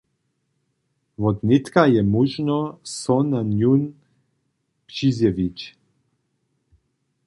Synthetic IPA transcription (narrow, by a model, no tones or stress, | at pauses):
vɔd̪nɪt̪kajɛmuʒnɔsɔnanjun | prizjɛvit͡ʃ